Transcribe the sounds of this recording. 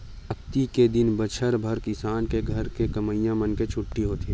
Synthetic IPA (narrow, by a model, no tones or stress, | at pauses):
ɐkt̪iked̪ɪnbət͡ʃʰəɾbʱɐɾkɪsaːnkeɡʱɐɾkekɐməijãmɐnket͡ʃʰʊʈːiɦoːt̪i